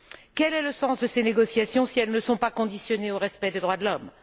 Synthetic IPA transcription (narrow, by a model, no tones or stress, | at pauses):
kɛlɛləsɑ̃sd̪əseneɡɔsjasjɔ̃siɛlnəsɔ̃pakɔ̃d̪isjɔneoʁɛspɛd̪ed̪ʁwad̪əlɔm